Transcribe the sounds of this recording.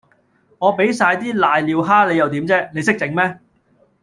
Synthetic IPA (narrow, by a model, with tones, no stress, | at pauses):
ŋɔː˨˧pe˨˥jsaː˧jt̪iː˥laː˨˧jliː˨˧wɦaː˥le˨˧jɐ˨wt̪iː˨˥mt͡sɛː˥ne˨˧js̬ɪ˥k̚t͡sɪ˨˥ŋmɛː˥